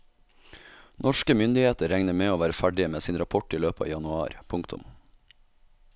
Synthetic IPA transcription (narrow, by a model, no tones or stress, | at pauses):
nʔɔʃkəmʏnd̪ɪheːt̪əɾɛŋnəmeːoːʋæːɾəfæɖɪəmeːsiːnɾɑpʰɔʈiːløːpɑ̰ːʋjɑnʉɑ̰ːɾpʰʊŋkt̪ʰʊ̰m